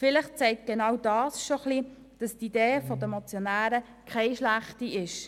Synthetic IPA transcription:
fɪlɪχt͡sɛɪkt̚ɡ̥enɑwdɑːsʃoχli | d̥ɑstideːfɔdəmɔt͡sjonæːɾə | kʰaɪʃlæχtiɪʃ

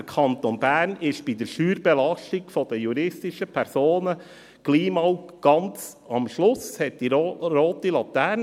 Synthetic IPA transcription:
əkʰɑnt̪onbæːɾnɪʃb̥id̪əɾʃyːɾbɛlɑʃtiɡfɔd̥̪əjuɾɪstɪʃəpʰɛɾsoːnə | ɡ̥liːmɑwkɡ̥ɑnt͡s | ɑmʃlʊshɛt̚d̥iɾoːt̪ilɑt̪æːɾn

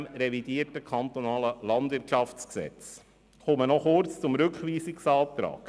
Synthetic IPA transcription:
mɾɛvidiːəɾtəkʰɑnt̪onɑːləlɑndʋɪɾtʃɑft͡sksɛ̰t͡s | χʊmənɔχʊrt͡st͡sʊmɾʉkχʋiːsiksɑːt̪ɾɑ̰ːk

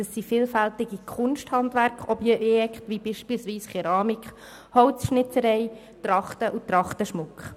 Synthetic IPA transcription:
əsːifiːlfælt̪ɪɡ̥ikʰʊnʃthɑndʋæɾkχɔbjɛɛkχtʋibiːʃpilsʋiːsχɛɾɑːmikχ | hɔʊt͡sʃnɪt͡səɾɛɪ | t̪rɑχtəʔut̪ɾɑχt̪əʃmʊkχ

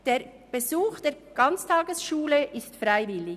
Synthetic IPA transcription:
d̥eːɾ | b̥ezuːxd̥eː | ɡ̥ɑnt͡stʰɑːɡəsʃuːləʔɪstfraɪvɪlɪ

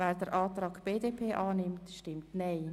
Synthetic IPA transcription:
vɛːɾdəɾʔɑːtrɑːɡb̥eːdepʰeːʔɑːnɪmtʃtɪmtnɛɪ

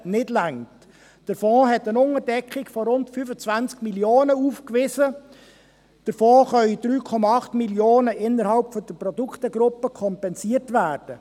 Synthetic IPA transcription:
nɪdlæŋt | d̥əɾfɔ̃ːɦɛtənʊŋəɾdɛkχikfɔɾʊntfyfət͡svænt͡skmiljoːnəuːfkvɪsə | d̥əɾfoːχœʏid̥ɾyːkʰɔmɑɑχtmiljoːnəʔɪnːəɾhɑlpfɔd̥əpɾɔduktəɡɾʊpːəkʰɔmpɛnsiəɾtvæːrd̥ə

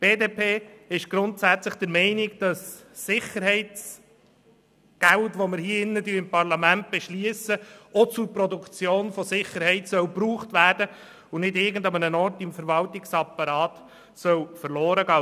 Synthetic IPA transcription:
b̥eːdeːpeːɪʃɡ̥ɾʊntsæt͡sləχd̪̥əɾmɛɪnɪkd̥ɑsː | ɪχəɾhɛɪt͡s | ɡ̥æltʋɔməɾhiːɪnːədyəɪmpʰɑrlɑmænt̚b̥ɛʃliəsəɔt͡suɾpɾɔd̪ukt͡sjoːnfɔsɪχːəɾhɛɪtsœwpɾuːχtvæːɾd̥ə | ʊnɪdɪɾɡən̩dɑmənənɔɾtɪmfəɾvɑltɪksɑpːɑɾɑːt | sœwfəɾlɔːɾəɡɑː

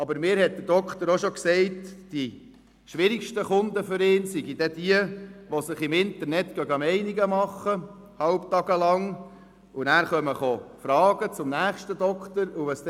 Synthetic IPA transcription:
ɑbəɾmɪːɾhɛt̪̚d̪̥əɾd̥ɔkt̪əɾoʃɔksɛɪtd̥i | ʃʋɪɾikʃtəχʊnd̪əfʏɾɪːnsiɡid̥ɛd̥iəʋɔsɪχɪmɪntəɾnɛtkɡœɡɑmɛɪniɡəmɑχːə | hɑlpt̪ɑɡəlɑŋ | ʊnæːɾχœməχofɾɑːɡ̥ət͡sʊmnæːχʃtədɔkχt̪əɾuʋəs

